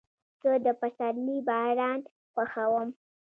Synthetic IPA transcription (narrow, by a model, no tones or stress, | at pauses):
kəd̪əpasaɾibɑɽɑn | xaxawəm